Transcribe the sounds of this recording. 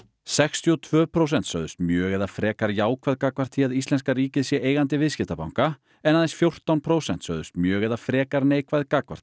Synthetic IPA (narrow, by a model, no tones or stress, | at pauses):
sɛkst̪ʰiɔt̪ʰvœːpʰɾowsɛnt̪sœɥðʏst̪mjœːɣɛðafɾɛːkaɾjaːwkʰvajðkakvaɾ̥t̪ʰiaðist̪lɛnskariːcɪðsjɛʔeːjɣant̪ɪvɪðscɪft̪apa̰wŋ̥ka | ɛnaðensfjowr̥t̪awnpʰɾoːwsɛn̥t̪sœɥðʏst̪mjœːɣɛðafɾɛːkaɾneːjkvajðkakva̰ɾ̥t̪